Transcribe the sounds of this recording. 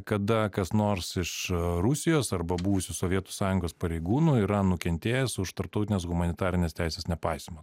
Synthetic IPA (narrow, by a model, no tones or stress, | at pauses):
kɐd̪ɐkɐsnoːɾsɪʃɾʊsʲɪjoːsɐɾbɐbuʋʊsʲuːsoːʋʲiɛt̪u̥sɑːjʊŋɡoːspɐɾʲɛɪɡuːnuːɪɾɐnʊkʲɛnʲt̪ʲeːjɛsʊʃt̪ɐɾp̚t̪ɔʊt̪ʲɪnʲeːs̬ɣʊmɐnʲɪt̪ɑːɾʲɪnʲeːst̪ʲæˑɪsʲeːsnʲɛpɑɪsʲmo